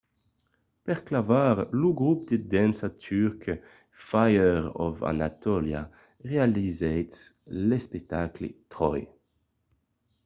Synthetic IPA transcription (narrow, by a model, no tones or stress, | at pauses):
pɛʁklavaːʁluɡʁup̚d̪ed̪ɛnsat̪ʰyʁk | fajəʁɔ̰va̰na̰t̪ɔlja̰ | ʁealizɛjt̪s | lespɛk̚t̪aklḛt̪ʁɔj